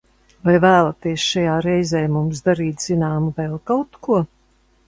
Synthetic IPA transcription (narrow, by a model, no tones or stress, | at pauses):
vajvæːlˠat̪iɛsʃajaːɾɛjzɛːmumsd̪aɾiːt̪z̥inaːmuvɛːlˠkawt̪kuɔ